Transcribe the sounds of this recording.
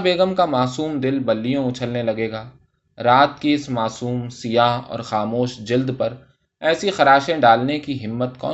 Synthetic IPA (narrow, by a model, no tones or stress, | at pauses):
beːɡəmkamaːsuːmd̪ɪlbɐlːijõʊt͡ʃʰəlnelɐɡeːɡaː | ɾaːt̪kiɪsmaːsuːmsɪjaːɦɔ̰ːɾxaːmoːʃd͡ʒɪld̪pɐɾ | ɛːsixɐɾaːʃẽɖaːlnekiɦɪmːət̪kɔ̰ː